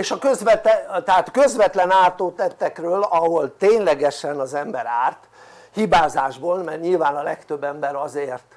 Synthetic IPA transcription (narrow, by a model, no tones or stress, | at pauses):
eːʃɒkøzʋɛt̪t̪ɛaːt̪kø̞zʋɛt̪lɛnaːrt̪oːt̪ɛt̪ːɛkrøːlɒɦo̞lt̪eːɲlɛɡɛʃɛnɒzɛmbɛɾaːrt̪ | hibaːzaːʒboːlmɛrɲilvaːnɒlɛkt̪øbːɛmbɛɾɒzeːrt̪